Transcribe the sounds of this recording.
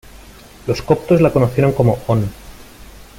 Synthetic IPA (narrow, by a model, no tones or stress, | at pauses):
lo̞skop̚t̪o̞zlakonoθje̞ɾo̞ŋko̞moon